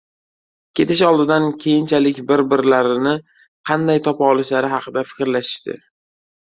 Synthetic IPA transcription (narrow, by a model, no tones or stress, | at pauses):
kʲʰe̞t̪ɪʃɒlˠd̪ɪd̪ankʲʰejɪnt͡ʃʰalɪkʲbɪɾbɪɾlaɾɪnɪ | qʰɑnd̪ajt̪ʰɒpɒlˠɪʃlaɾɪɦɑqʰɨd̪afɪ̥kʲɾlaʃɪ̥ʃt̪ɪ̰